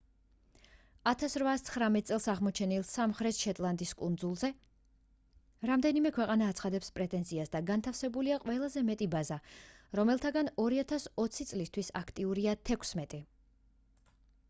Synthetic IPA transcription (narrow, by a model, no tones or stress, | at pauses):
at̪ʰasɾvast̪sʰχɾamɛt̪ʼsʼɛlˠsaʁmɔt͡ʃʰɛnilˠsamχɾɛt̪ʃɛt̪ʼlˠand̪iskʼund̪zulˠzɛ | ɾamd̪ɛnimɛkʰwɛqʼanaːt̪sʰχad̪ɛpspʼɾɛt̪ʼɛnziasd̪aɡant̪ʰafsɛbuliaqʼwɛlˠazɛmɛt̪ʼibazaɾɔmɛlˠt̪ʰaɡanɔɾiat̪ʰasɔt̪sʰit̪sʼlist̪ʰwisa̰kʰt̪ʼiuɾiat̪ʰɛkʰsmɛt̪ʼi